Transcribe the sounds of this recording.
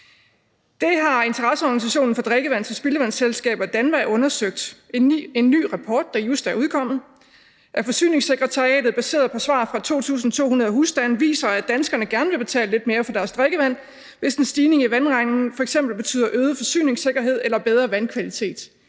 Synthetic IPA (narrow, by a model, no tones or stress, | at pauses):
d̥e̝ɦɑ̈e̝nt͡sʰɐʁɑ̈səɒɡ̥ænis̬æɕo̝̰ːn̩fɒ̽d̥ʁeɡ̥əʋæn̰t͡sʰe̝lsb̥e̝ləʋæn̰selsɡ̥ɛ̰ːb̥ɐid̥ænʋæɔ̽nɐsøɡ̥̚d̥ | e̝nːy̰ːʁɑpʰɒːd̥̚ːɑ̈jusd̥æɐuð̞ˠkʰɒ̽m̰ð̩ˠ | ʔæɐfɒ̽sy̰ːne̝ŋseɡ̥ʁət͡sʰɑ̈iɛ̰ːd̥ð̩ˠb̥æse̝̰ːɐðˠpʰɒ̽sʋɑ̰̈ːfʁɑ̈t͡sʰo̝̰ːt͡sʰṵːsn̩t͡sʰo̝̰ːunɐðˠɐɦusd̥ænʋḭːsɐæd̥ænsɡ̥ɐnəɡ̥æɐnəʋe̝b̥e̝t͡sʰɛ̰ːləle̝d̥̚me̝ːɐfɒ̽d̥æɐsd̥ʁeɡ̥əʋæn̰ | ʋe̝sensd̥iːne̝ŋiʋænʁɑɪŋn̩fɒ̽eɡ̥semb̥l̩b̥e̝̥t͡sʰy̰ːð̰ˠɐʔøːð̞ˠəfɒ̽sy̰ːne̝ŋse̝ɡ̥ɐɦe̝ð̞̰ˠelɐb̥eð̞ˠʁɐʋænkʰʋælit͡sʰe̝̰ːd̥